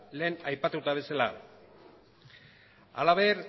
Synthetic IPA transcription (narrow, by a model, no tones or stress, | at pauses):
le̞ːnajpat̪ut̪aβ̞e̞sala̰ | a̰laβe̞ɾ